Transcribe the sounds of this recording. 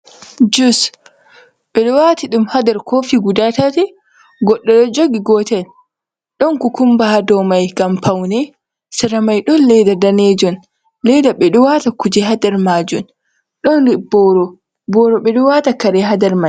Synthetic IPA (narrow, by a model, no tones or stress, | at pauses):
d͡ʒus | ɓɛɗɔwatiɗumhadɛɾkʰoːfiɡudatatɛ | ɡɔɗːɔɗɔd͡ʒoɡiɡɔːtɛn | ɗɔnkukumbahadɔmajɡampawnɛ | sɛɾamajɗɔnlɛdadanɛd͡ʒɔn | lɛdaɓɛɗɔwatakud͡ʒɛɦadɛɾmaːd͡ʒun | ɗɔnɾibɔɾɔ | bɔːɾɔɓɛɗɔwatakaɾɛɦadɛɾma